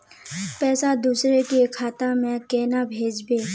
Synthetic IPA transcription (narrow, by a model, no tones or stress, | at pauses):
pɛːsad̪uːsɾekekʰaːt̪amẽkeːnabʱeːd͡ʒbeː